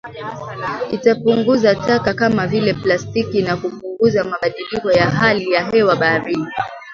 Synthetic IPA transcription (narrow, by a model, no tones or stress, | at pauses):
itapuŋɡuzatakakamavilɛplastikinakupuŋɡuzamaɓaɗilikɔjaɦalijaɦɛwaɓaɾini